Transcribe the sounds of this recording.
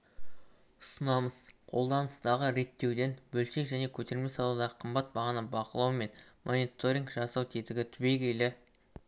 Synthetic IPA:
ʊsənɑməz̥qʰo̞lˠd̪ɑnəst̪ɑʁəɾe̞t̪ːe̞wd̪e̞nbɵlʃe̞ʒæne̞kʲʰɵt̪e̞ɾlme̞sɑlˠuwd̪ɑʁəqʰəmbɑt̪̚bɑʁɑnəbɑqəlˠɑwme̞nmʔo̞nit̪o̞ɾʲiŋɡʒɑsɑwt̪ʰe̞t̪ɪɡʲɪt̪ʰʏbe̞jkʲʰe̞lɪ

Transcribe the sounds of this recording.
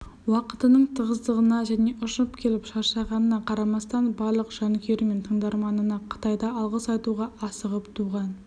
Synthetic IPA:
wɑqət̪ənəɴt̪ʰəʁəzd̪əʁənɑʒæne̞ʔʊʃəpkʲʰe̞lɪpʃɑʃɑʁɑnənɑqʰɑɾɑmɑst̪ɑnbɑɾlˠəqʒ̥ɑŋkʲʰe̞ɾɪme̞nt̪ʰəɴd̪ɑɾmɑnənɑqʰə̥t̪ɑjd̪ɑɑlˠʁəsɑjt̪uʁɑʔɑsəʁəpt̪ʰuʁɑn

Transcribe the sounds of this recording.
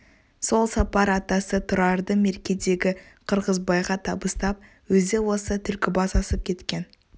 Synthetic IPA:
so̞lˠsɑpɑɾɑt̪ɑsət̪ʰʊɾɑɾd̪əme̞ɾkʲe̞d̪e̞ɡʲɪqʰəɾʁəzbɑjʁɑt̪ʰɑbəst̪ɑp̚ | wɵzd̪e̞wo̞sət̪ʰʏlkʲɪbɑsɑsəp̚kʲʰe̞t̪kʲe̞n

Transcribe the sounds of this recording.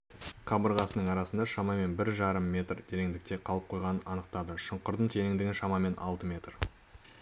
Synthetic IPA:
qʰɑbəɾʁɑsənəɴɑɾɑsənd̪ɑʃɑmɑme̞nbɪɾʒɑɾəmːe̞t̪rd̪ʰe̞ɾeŋd̪ɪk̚t̪e̞qʰɑlˠəp̚qʰo̞jʁɑnənɑnəq̚t̪ɑd̪əʃəɴqəɾd̪əɴt̪ʰeɾɪŋd̪ɪɡʲɪnʃɑmɑme̞nʔɑ̰lˠt̪əmʲe̞t̪r

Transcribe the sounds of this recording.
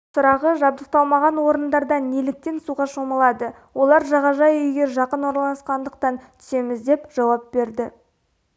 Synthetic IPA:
sʊɾɑʁəʒɑb̚d̪əq̚t̪ɑlˠmɑʁɑnwo̞ɾənd̪ɑɾd̪ɑnelɪk̚t̪e̞nsuʁɑʃo̞mɑlˠɑd̪ə | wʔo̞lˠɑɾʒɑʁɑʒɑjʏjɡʲe̞ʒɑqənwoɾɑlˠɑsqɑnd̪əq̚t̪ɑnt̪ʰʏ̥se̞mɪzd̪e̞pʒ̥ɑwɑp̚be̞ɾd̪ɪ

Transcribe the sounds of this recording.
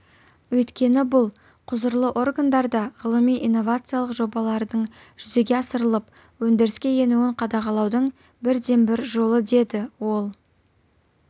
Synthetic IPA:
wɵjt̪kʲe̞nɪbʊlˠ | qʰʊzəɾlˠəʔo̞rɡand̪ɑɾd̪ɑʁəlˠəmijʔijnːo̞vat̪sɨjalˠəqʒo̞bɑlˠɑɾd̪əɴʒ̥ʏze̞ɡʲe̞ɑsəɾəlˠəp | wɵnd̪e̞ɾɪskʲe̞je̞nuwɪɴqʰɑd̪ɑʁɑlˠɑwd̪əɴ | bɪɾd̪e̞mbɪɾʒo̞lˠəd̪e̞d̪ɪwo̞lˠ

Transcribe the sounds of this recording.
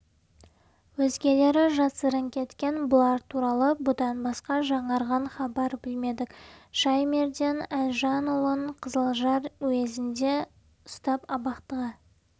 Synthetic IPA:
wɵzɡʲe̞le̞ɾɪʒɑsəɾəŋkʲʰe̞t̪kʲe̞nbʊlˠɑɾt̪ʰuɾɑlˠəbʊd̪ɑnbɑsqɑʒɑɴɑɾʁɑnχɑbɑɾbɪlme̞d̪ɪkʃɑjmeɾd̪e̞nælʲʒɑnʊlˠəɴqʰəzəlˠʒɑɾɵwe̞zɪnd̪e̞ | ʊst̪ɑpɑbɑqt̪əʁə

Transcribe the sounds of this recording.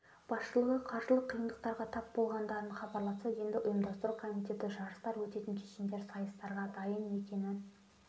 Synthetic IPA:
b̥ɑsʃəlˠəʁəqʰɑɾʒəlˠəqʰːijəmd̪əq̚t̪ɑɾʁɑt̪ʰɑpbo̞lˠʁɑnd̪ɑɾənχɑbɑɾlˠɑsɑje̞nd̪ɪʔʊjəmd̪ɑst̪əɾukʰo̞mit̪ʰe̞t̪ɪʒɑɾəst̪ɑɾwɵt̪e̞t̪ɪŋkʲʰeʃɪmd̪e̞ɾsɑjəst̪ɑɾʁɑd̪ɑjəne̞kʲe̞nɪn

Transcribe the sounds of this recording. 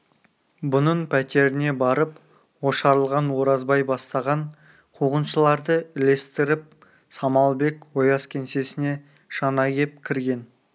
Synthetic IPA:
bʊnəɴpʰæt̪e̞ɾɪne̞bɑɾəp | wo̞ʃɑɾəlˠʁɑnwo̞ɾɑzbɑjbɑst̪ɑʁɑɴ | qʰuʁənʃəlˠɑɾd̪əɪle̞st̪ɪɾɪp̚ | sɑmɑlˠbe̞kwo̞jɑskʲʰe̞nse̞sɪne̞ | ʃɑnɑɡʲe̞p̚kʲʰɪɾɡʲe̞n

